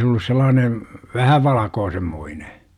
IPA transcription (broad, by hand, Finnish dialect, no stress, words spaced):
se olːus selːɑːne ʋæhæ ʋɑlɑkoːsemːoine